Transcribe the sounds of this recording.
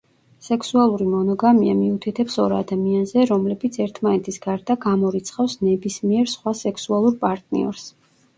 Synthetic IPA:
sɛksualˠuɾimɔnɔɡamiamiut̪ʰit̪ʰɛpsɔɾa̰d̪amianzɛɾɔmlɛbit̪sʰɛɾt̪ʰmanɛt̪ʰisɡaɾd̪aɡamɔɾit̪sʰχafsnɛbismiɛɾsχwasɛksualˠuɾpʼaɾt̪ʼnḭɔ̰ɾs

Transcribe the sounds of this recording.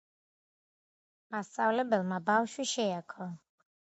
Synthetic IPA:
mast̪sʼavlɛbɛlˠmabafʃwiʃɛakʰɔ

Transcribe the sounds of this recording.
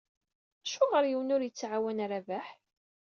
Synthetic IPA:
ʃʊʁəɾjiwnʊɾjət͡sːʕawænaɾavæħ

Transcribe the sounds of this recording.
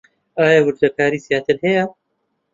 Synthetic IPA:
ʔaːjawɨɾd̪ɐkaːɾiːzijaːt̪ʰɨɾhɛjɐ

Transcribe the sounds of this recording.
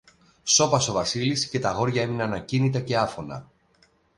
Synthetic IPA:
so̞pɐso̞vɐsilisce̞t̪ɐɣo̞ɾʝɐe̞minɐnɐcinit̪ɐce̞ɐfo̞nɐ̰

